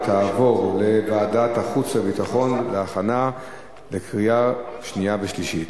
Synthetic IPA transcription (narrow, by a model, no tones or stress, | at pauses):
t̪ʰaːvo̞ʁle̞vaːdataχut͡slabitaχo̞nleaχana | lekʁijaʃnijaveʃliʃit